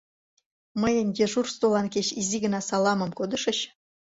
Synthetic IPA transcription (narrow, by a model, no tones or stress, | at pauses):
mə̆jə̆nʲdʲeʐurst̪olˠɑnkʲeɕizʲiɡə̆nɑsɑlˠɑmɤ̆mkod̪ɤ̆ʂə̆ɕ